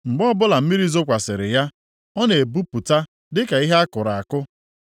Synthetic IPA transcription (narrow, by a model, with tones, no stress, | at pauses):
ŋ͡m̩˨ɡ͡bɔ˦bʊ˦la˨m̩˦mi˦ɾi˦zo˦kʷa˨sɪ˨ɾɪ̰˨ja˦ | ɔ˦ne˨bu˦pu˨ta˦ | dɪ˦ka˨i˦ɦe˦a˦kʊ˨ɾa˨a˨kʊ˦